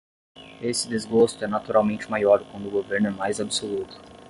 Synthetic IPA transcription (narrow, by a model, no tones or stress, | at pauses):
esɪd̪ezɡost̪ʊɛnat̪uɾawmẽt͡ʃɪmajɔɾkwɐ̃nd̪ʊɡoveɾnʊɛmajzabɪsolut̪ʊ̥